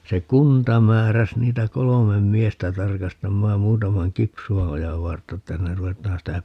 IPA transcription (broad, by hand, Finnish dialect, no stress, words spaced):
se kuntɑ mæːræs niːtæ kolomem miestæ tɑrkɑstɑmːɑːm muːtɑmɑŋ kipsuɑojɑʋ ʋɑrtːɑ etːæ hinːer ruʋetˑɑːn sitæ